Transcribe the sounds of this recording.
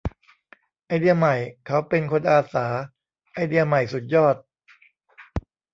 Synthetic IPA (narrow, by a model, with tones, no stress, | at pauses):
ʔa˧jdi˧ɐma˨˩jkʰa˦˥wpe˧nkʰo˧nʔaː˧saː˩˦ | ʔa˧jdi˧ɐma˨˩jsu˨˩t̪̚jɔː˥˩t̪̚